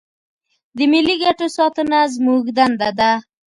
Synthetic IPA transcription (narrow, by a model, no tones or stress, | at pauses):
d̪əmiliɡaʈosɔt̪ənazmuɡd̪and̪ad̪a